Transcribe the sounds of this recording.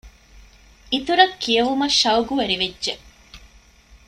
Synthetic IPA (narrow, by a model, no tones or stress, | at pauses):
it̪uɾɐkʰːijɐɦumɐʃɐwɡuʋɐɾiʋedːʒe